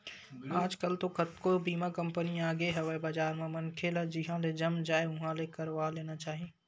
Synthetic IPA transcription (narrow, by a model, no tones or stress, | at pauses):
aːd͡ʒkəlt̪okɐt̪̚kobiːmãkɐ̃mpəniaːɡeɦɛʋɛbɐd͡ʒaːɾmẽmɐnkʰelɛd͡ʒɪɦãled͡ʒɐmd͡ʒaːeʊɦãlekəɾʋaːleːnat͡ʃaːɦiẽː